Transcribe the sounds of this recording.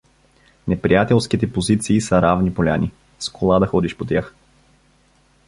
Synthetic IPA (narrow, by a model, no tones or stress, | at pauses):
nɛpɾijat̪ɛlˠskit̪ɛpozit̪siːsɐɾavnipolʲani | skʰolˠad̪ɐxɔd̪iʃpot̪ʲjax